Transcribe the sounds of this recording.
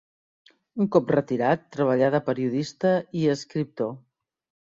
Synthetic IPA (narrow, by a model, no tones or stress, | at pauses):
uŋkɔprət̪iɾat̪ːɾəβ̞əʎað̞əpəɾiuðist̪əiəskɾip̚t̪o